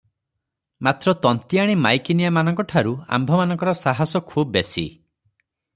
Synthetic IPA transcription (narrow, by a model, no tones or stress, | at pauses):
mat̪ɾɔt̪ɔnt̪iaɽ̃imajkinijamanɔŋkɔʈʰaɾua̰mbʱɔmanɔ̃ŋkɔɾɔsaɦasɔkʰubɔbesḭ